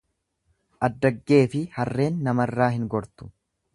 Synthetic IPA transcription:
ʔɐd̪ːɐɡːe̞ːfɪhɐrːe̞ːnːɐmɐrːaːhɪŋɡɔɾt̪ʊ̥

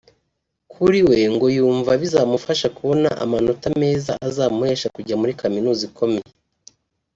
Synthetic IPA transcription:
kʰuɾiwe̞ŋɡo̞juːɱvaβizaːmufaʃakuβo̞na̰ʔa̰mano̞tame̞ːza̰ʔazaːmuhe̞ːʃakuɟamuɾikʰaminuːziko̞me̞je

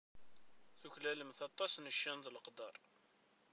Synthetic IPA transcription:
θuçlæləmθɑt̪ˤːɑsnəʃːænðləqd̪ɑɾˤ

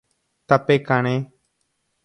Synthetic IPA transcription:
t̪əpeːkəɳeː

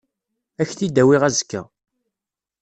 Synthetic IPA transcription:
æçθid̪æwɪʁæzəkːæ̰

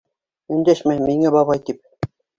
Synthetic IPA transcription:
ɵ̆nd̪æʃmæmiŋæbɑβɑjt̪ip̚

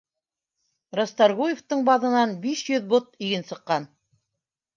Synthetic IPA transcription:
ɾost̪ɑɾɡujeft̪ɤɴbɑðɤ̆nɑnbiʃjɵðbot̪iɡɘnsɤ̆qːɑn

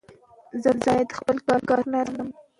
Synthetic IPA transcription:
zəzɑjad̪xpəlkɑlkɑɾlɑɾləm

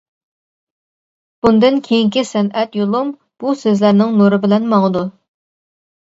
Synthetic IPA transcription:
b̥und̪ɨnkʲʰejiŋkʲisɛnɛt̪jolˠum | b̥usezlæɾnɪŋnuɾɨbɪlɛnmɑŋəd̪u

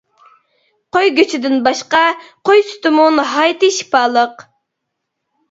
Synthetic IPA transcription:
qojɡʲøt͡ʃʰɪd̪ɪnbɑʃqɑqojsy̥t̪ɨmunɦɑjt̪ɨʃi̥pɑːlˠəq

